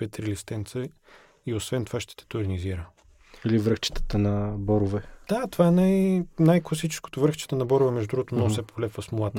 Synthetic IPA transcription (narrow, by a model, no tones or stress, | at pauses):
ɛt̪ɾilist̪ɛnt̪sə | iosvɛnt̪o̥vaʃt̪ɛ̥t̪ɛ̥t̪ʊɾʲniziɾə | ilivɾəxt͡ʃi̥t̪ə̥t̪ənɐbɔɾʊvɛd̪̥at̪ovaɛnajnajklˠɐsit͡ʃɛ̥sko̥t̪ʊvɾəxt͡ʃɛ̥t̪ənɐbɔɾʊvɛmɛʒd̪d̪ɾuɡot̪onɔsɛpʰolɛpvəsmolˠat̪ə̥